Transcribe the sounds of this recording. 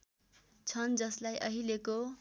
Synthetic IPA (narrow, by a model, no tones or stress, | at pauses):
t͡sʰʌnd͡zʌslajʔʌɦileko